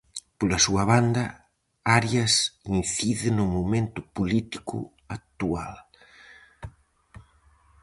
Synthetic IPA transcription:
polɐsuɐβ̞and̪ɐ | aɾjɐsinθiðɪnʊmomẽnt̪ʊpolit̪i̥kʰʊ̰ | ak̚t̪ual

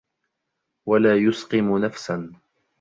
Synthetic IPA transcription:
walaːjʊsqɨmʊnafsan

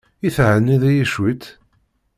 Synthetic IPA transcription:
iθʕənːiðæjiʃwit̪

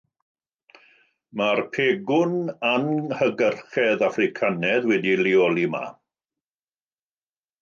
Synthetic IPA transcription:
marpʰeːɡʊnanhəɡərχɛðafrɪkʰanɛðwɛdilɪɔlˠima̰

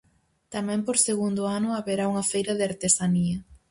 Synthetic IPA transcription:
t̪amɛ̃mpoɾseɣund̪ʊanʊaβeɾauŋɐfejɾɐðeaɾt̪esaniɐ

